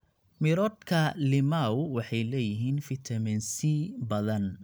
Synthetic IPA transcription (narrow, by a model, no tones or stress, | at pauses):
mɪɾɔːd̪kʰɐlɪmawwɑħɑjlɛːjɪɦiːnfɪt̪ʰɐmɛnsibɐðɐn